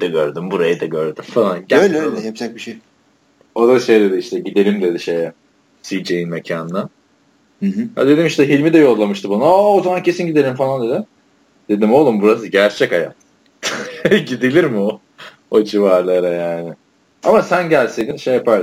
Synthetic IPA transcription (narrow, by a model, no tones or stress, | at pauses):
d̪̥aɟøɾd̪ymbuɾajɯd̪aɟøɾd̪ymfalˠanɟæøjlʲɛljɛpsɛc̚biʃej | o̞d̪aʃe̞jd̪e̞d̪iiʃt̪ʰɛɟid̪e̞ɾʲimd̪e̞d̪iʃe̞jɛ | sijd͡ʒejinmecʰaːnd̪a | a̰d̪e̞d̪imiʃt̪ɛɦilʲmid̪ɛjo̞lˠːamɯʃt̪ʰɯbununaozamancʰe̞sinɟid̪eɾʲimfalˠand̪e̞d̪ɪ | d̪̥e̞d̪imo̞lˠumbuɾas̬ɯɟæɾt͡ʃʰɛcaja̰t̪ | ɟid̪ilʲiɾmɪo | ot͡ʃʰivaɾlˠalˠajaːnɪ | amasænɟælʲsid̪inʃejːapaɾ